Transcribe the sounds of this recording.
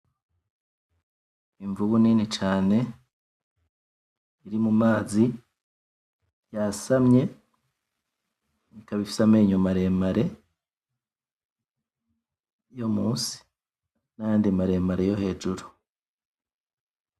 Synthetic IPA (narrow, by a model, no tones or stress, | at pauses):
iɱvuβuninit͡ʃaːne̞ | ɾimumaːzi | jasamɲe̞ | nikaβifi̥sameiɲomaɾe̞ːmaɾe̞ | jo̞muːsi̥ | najaːndimaɾe̞ːmaɾe̞jo̞he̞ːd͡ʒuɾu